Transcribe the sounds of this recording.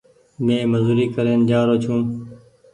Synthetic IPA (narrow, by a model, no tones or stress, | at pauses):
mẽːməzuːɾiːkəɾeːnd͡ʒaːɾoːt͡ʃʰũː